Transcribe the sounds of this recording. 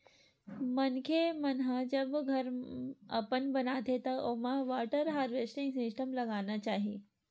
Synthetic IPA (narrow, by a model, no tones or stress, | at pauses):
mɐnkʰemənɦãd͡ʒɐbɡʱɐɾɐpənbɐnaːt̪et̪ɐʔomãʋaːʈəɾɦaːɾʋesʈĩŋɡsɪsʈəmlɐɡaːnat͡ʃaːɦieː